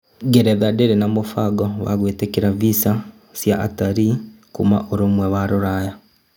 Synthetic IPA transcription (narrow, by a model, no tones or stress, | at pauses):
ɡeɾeðadeɾenamofaɡoβa̰ɣweːtekiɾavisa | sjaʔa̰taɾikuma̰ʔoɾomweβaɾoɾaja